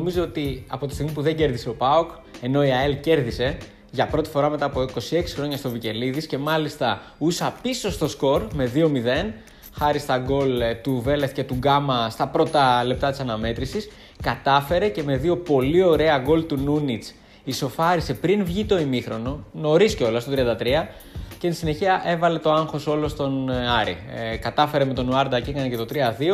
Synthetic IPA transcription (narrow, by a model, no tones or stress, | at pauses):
nomizo̞ot̪iɐ̰po̞t̪ist̪iɣmipuðe̞ɟe̞ɾðiseo̞pɐok | e̞no̞iɐelce̞ɾðise̞ | ʝɐpɾo̞t̪i̥fo̞ɾɐmet̪ɐːpo̞iko̞sie̞ksi̥xɾo̞ɲɐst̪o̞vice̞liðisce̞mɐlist̪ɐ | usɐpiso̞st̪o̞sko̞ɾme̞ðio̞miðe̞n | xɐɾist̪ɐɡo̞lt̪uve̞leθce̞t̪uɡɐmɐst̪ɐpɾo̞t̪ɐle̞p̚t̪ɐt̪i̥sɐnɐme̞t̪ɾisis | kɐt̪ɐfe̞ɾe̞ce̞me̞ðio̞po̞lio̞ɾe̞ɐɡo̞lt̪ununit͡s | iso̞fɐɾise̞pɾinvʝit̪o̞imixɾo̞no̞no̞ɾisceo̞lɐst̪ot̪ɾiɐnd̪ɐt̪ɾiɐ | censine̞çiɐʔe̞vɐle̞t̪o̞ɐŋxo̞so̞lo̞st̪o̞nɐɾḭkɐt̪ɐfe̞ɾeme̞t̪o̞nuɐɾd̪ɐcekɐnece̞t̪o̞t̪ɾiɐðio̞